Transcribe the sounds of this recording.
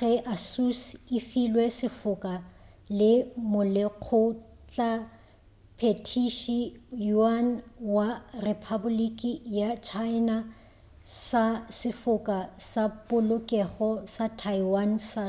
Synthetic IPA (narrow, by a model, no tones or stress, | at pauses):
ɣɛʔasusɪfilwɛsɪfʊkʼa | lɪmʊleq͡χʰʊ | t͡ɬʼa | pʰetʰiʃijuanwarepʰabʊlikʼijat͡ʃʰaɪna | sasɪfʊkʼasapʼʊlʊkʼɛχɔsatʰaiwansa